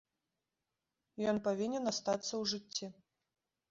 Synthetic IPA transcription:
jɔnpavʲinʲɛnast̪at̪sːɐwʐɨt͡sʲːi

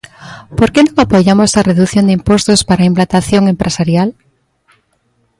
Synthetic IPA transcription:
poɾkenõŋapoʝamosesareðuθjond̪impost̪ospaɾaimplant̪aθjoŋempɾʔesaɾjal

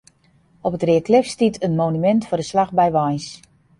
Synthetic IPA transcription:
ɔpətrɪəkʰlɪfstitʰənmonymɛntfʊdəslaxbɛjʋajs

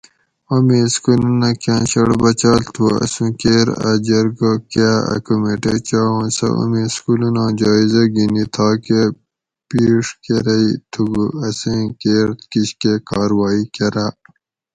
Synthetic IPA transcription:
omiskulunakãːnɕɐɽbɐt͡ɕaːlt̪ʰuɐ̰sũkeːɾɐ̰d͡ʑɐɾɡokaːɐ̰kumeʈet͡ɕaːõːnsɐ̰ʔo̰mĩskulunãːd͡ʒaːizɐɡinit̪ʰaːke | piːʂkeɾɐit̪ʰuɡuɐsẽkeːɾt̪kiɕkekaːɾwaːikeɾa

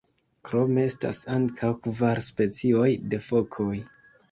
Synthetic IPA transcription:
kɾo̞me̞esta̰saŋkʰawkvaɾspe̞t͡sio̞jde̞fo̞kʰoj

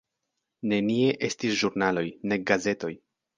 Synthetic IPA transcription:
ne̞nie̞ʔe̞stisʒuɾnalo̞jne̞ɡaze̞to̞j

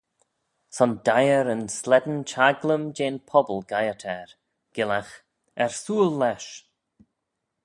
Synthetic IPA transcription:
sɔnd̪ajəɾənslɛd̪ənt͡ʃaɡləmd͡ʒeːnpʰɔbəlɡajətʰɛɹ | ɡ̥ɪlax | ɛɹsuːlːɛʃ

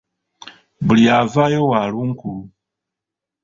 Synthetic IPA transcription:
buliavajɔwaluŋku

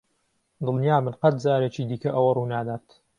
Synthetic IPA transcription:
d̪ɨlˠnjaːmɨnqɐt̪̚zaːɾet͡ʃiːd̪iːkɐʔɐwɐruːnaːd̪aːɾt̪

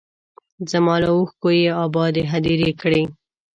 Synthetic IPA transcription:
zəmɑlauxkojeɑbɑd̪eɦad̪iɾekɽe

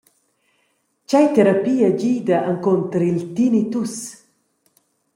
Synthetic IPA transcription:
t͡ʃajt̪ɛɾapiːaɟiːd̪ɐʔaŋkont̪əɾilt̪init̪us

